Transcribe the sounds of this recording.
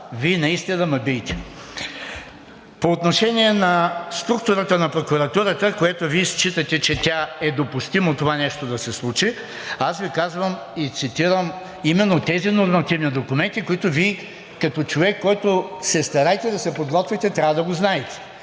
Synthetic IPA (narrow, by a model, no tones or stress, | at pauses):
viɛnɐist̪inɐmɐbijt̪ɛ̥ | poːt̪noʃɛniɛnɐst̪ɾuk̚t̪ʊɾət̪ənɐpɾokuɾɐt̪uɾət̪əkojat̪oviɛst͡ʃit̪ət̪ɛt͡ʃɛt̪ʲaɛd̪opʊst̪imot̪ovanɛʃt̪od̪ɐsɛslˠut͡ʃi | asvikazvəm | it̪sit̪iɾəm | imɛnːot̪ɛzinoɾmɐt̪ivnid̪okʊmɛnt̪ikoit̪oviɛ | kɐt̪ɔt͡ʃovɛkːɔjt̪osɛst̪ɐɾajt̪ɛd̪ɐsɛpod̪ɡɔt̪vʲit̪ɛt̪ɾʲavɐd̪ɐɡoznaɛt̪ɛ̥